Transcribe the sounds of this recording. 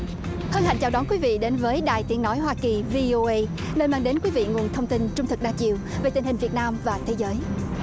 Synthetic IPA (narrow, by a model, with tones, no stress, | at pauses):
hə˧nha̰˧˨jŋt͡ɕaː˨˩ɗɔ˨˦nkwi˨˦vḭ˧˨ɗe˨˦nvəː˨˦jɗaː˨˩jt̪i˨˦əŋnɔ˨˦jɦwaː˧ki˨˩vi˧ʔo˧ʔə˧j | nəː˧jmaː˧ŋɗe˨˦nkwi˨˦vḭ˧˨ŋu˨˩ənt̪ʰə˧wŋ͡mt̪i˧nt͡ɕʊ˧ŋ͡mt̪ʰɨ˨˩k̚ɗaː˧t͡ɕḭ˧˨əwve˨˩t̪ï˨˩ŋ̟hï˨˩ŋ̟vi˨˩ət̚naː˧mvaː˨˩t̪ʰe˨˦zəː˨˦j